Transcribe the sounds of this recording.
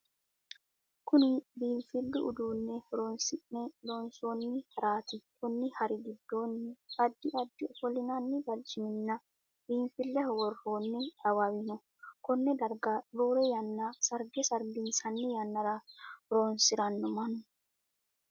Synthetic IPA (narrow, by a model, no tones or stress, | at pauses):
kʊnɪbiːɱfɪlːʊʔʊd̪uːnːɛɾoːnsɪʔnɛloːnsonːɪhɐɾaːt̪ɪkʰɔnːɪhɐɾɪɡɪd̪ːoːnːɪɐd̪ːɪʔɐd̪ːɪɔfɔlɪnanːɪbɐld͡ʒɪmɪnːɐ | biːɱfɪlːɛhwɔroːnːɪɐwɐwɪnɔ | kɔnːɛd̪ɐɾɡaboːɾɛjɐnːasɐɾɡɛsɐɾɡinsɐnːɪjɐnːɐɾɐɾoːnsɪɾɐnːɔmɐnʊ